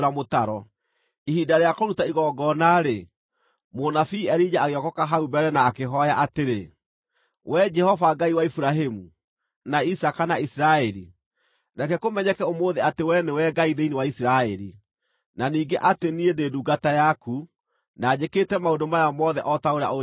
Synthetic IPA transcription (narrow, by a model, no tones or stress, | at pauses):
ɾamotaɾɔ | ihidaɾeakoɾutaiɣɔɡɔnaɾe | monafiːɛɾid͡ʒaaɣeɔkɔkaɦaubɛɾɛnaːkeɦɔjaʔateɾe | wɛd͡ʒɛhɔvaɡaiwaifuɾaɦemu | naisakanaisiɾaɛɾḭ | nakɛkomɛɲɛkɛomoːðeatewɛnewɛɡaiðeinewaisiɾaɛɾḭ | naniːɡeʔateniendeduːɡatajaku | naːd͡ʑeketɛmaodomajamɔðɛʔɔtaoɾa̰o